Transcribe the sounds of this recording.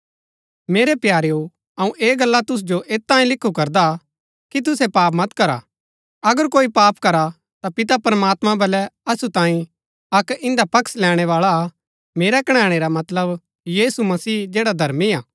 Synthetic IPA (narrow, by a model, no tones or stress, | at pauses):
meːɾepjaːɾeo | ɐũʔeːɡɐlːat̪ʊs̬d͡ʒoʔeːt̪ːãːĩlɪkʰːukɐɾd̪a | kit̪̬ʊsɛpaːp̬mɐt̪kɐɾa̰ | ɐɡəɾkoːipaːpkɐɾa | t̪apɪt̪apɾəmaːt̪mãbɐlɛɐsut̪ãːĩ | ɐkɪ̃nd̪apɐkslɛːɽ̃ɛʋaːɭa | meːɾakɐɽ̃ɛːɽ̃eɾamɐt̪ləb | jiːsumɐsiːd͡ʒeːɽad̪ʱɐɾmiaː